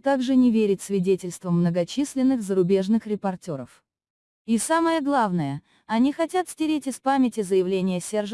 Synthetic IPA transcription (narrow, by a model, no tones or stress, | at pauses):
t̪aɡʐɨnʲɪvʲeɾʲɪtʲsʲvʲɪdʲetʲɪlʲst̪vəmːnəɡɐt͡ɕisʲlʲɪnːɨxzəɾʊbʲe̞ʐnɨxɾʲɪpɐrtʲo̞ɾəf | isaməjəɡlˠavnəjə | ɐnʲixɐtʲat̪sʲtʲɪɾʲetʲɪspamʲɪtʲɪzəjɪvlʲenʲɪjəsʲerʐ